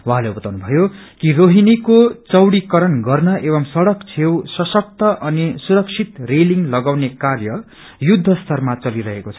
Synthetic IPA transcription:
wɦãleubʌt̪awnubʱʌjo | kiroɦinikot͡sʌwɽikʌɾʌnɡʌrnʌebʌmsʌɽʌkt͡sʰewsʌsʌk̚t̪ʌʔʌnisuɾʌk̚t͡sʰit̪reliŋɡlʌɡawnekarjʌ | jud̪ʱːʌst̪ʰʌrmat͡sʌliɾʌɦekot͡sʰʌ̥

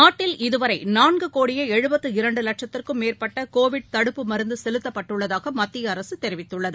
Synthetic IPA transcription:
naːʈːɪlɪðɯʋɐɾɐɪnaːnɡɯkoːɽɪjɐɛɻɯbɐt̪ːɯɪɾɐɳɖɯlɐk̚ʂɐt̪ːɪrkɯmːeːrpɐʈːɐkoːʋɪɽ̚t̪ɐɽɯpːɯmɐɾɯnd̪ɯsɛlɯt̪ːɐpːɐʈːɯɭːɐðaːɣɐmɐt̪ːɪjɐːɾɐsɯt̪ɛɾɪʋɪt̪ːɯɭːɐðɯ

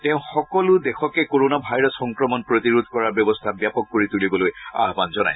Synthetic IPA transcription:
tɛʊ̃xɔkɔlʊdɛxɔkɛkoɹonabʱajɹɔsxɔŋkɹɔmɔnpɹotiɹud̪ʱkɔɹaɹbjɔbɔstʰabjapɔkːoɹitulibɔloja̰ɦbanzɔna̰j

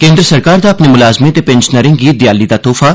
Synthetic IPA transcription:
kẽːnd̪ɾəsəɾkaːɾd̪aːɐpneːmʊlaːzmet̪epɛ̃nʃnəɾɪ̃ŋɡɡiːd̪ɪjaːliːd̪aːt̪oːfʰaː

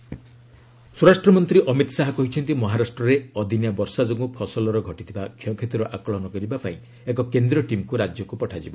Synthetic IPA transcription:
suɾasʈɾɔmɔnt̪ɾiʔɔmit̪ɔsaɦɔkɔɦit͡ʃʰɔnt̪imɔɦaɾasʈɾɔɾeɔd̪ʱinjabɔɾsad͡ʒoɡupʰɔsɔlɔɾɔɡʱɔʈit̪ʰibakʰɔ̃kʰet̪uɾɔʔakɔɭɔnɔkɔɾibapaĩ | ekɔkend̪ɾɔʈimkuɾad͡ʒjɔkupɔʈʰad͡ʒibɔ

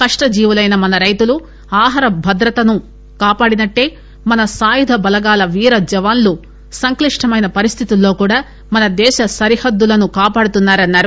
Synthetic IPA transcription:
kɐʂʈɐd͡ʒiːʋulɐjnɐmɐnɐɾɐjt̪ulu | aːɦɐɾɐbʱɐd̪ɾɐt̪ɐnu | kaːpaːɽinɐʈːe̞ː | mɐnɐsaːjud̪ʱɐbɐlɐɡaːlɐʋiːɾɐd͡ʒɛʋaːnlu | sɐŋkliʂʈʰɐmɐjnɐpɐɾist̪ʰit̪ulːo̞ːkuːɽaː | mɐnɐd̪ɛːʃɐsɐɾihɐd̪ːulɐnukaːpaːɽut̪unːaːɾɐnːaːɾu

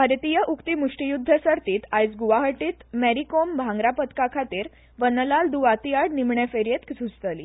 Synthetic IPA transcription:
bʱaɾt̪ijəʔukt̪imuʂʈijud̪ʱːəsəɾt̪iːt̪ajt͡sɡuʋaɦəʈiːt̪mæɾikombʱãŋɡɾapət̪kakʰat̪iːɾ | ʋənəlald̪uʋat̪ijaɽnimɳɛfeɾjet̪ksud͡zt̪əlḭ

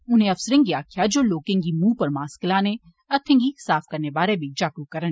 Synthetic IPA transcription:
ʊnɦẽɐfsəɾẽŋɡiaːkʰjad͡ʒoːloːkẽŋɡimũːpɐɾmaːskɪlaːne | ɐt̪ʰːẽŋɡisaːfkɐɾnebaːɾebʱid͡ʒaːkukɐɾən

